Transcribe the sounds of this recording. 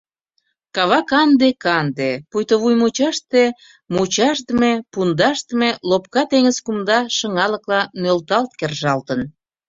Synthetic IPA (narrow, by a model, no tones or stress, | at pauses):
kɑβɑkɑnd̪ekɑnd̪epujt̪oβujmut͡ɕɑʃt̪e | mut͡ɕɑʃt̪əmepund̪ɑʃt̪əmelop̚kɑt̪eŋəzkumd̪ɑʃə̆ŋɑləklɑnølt̪ɑlt̪kerʒɑlt̪ən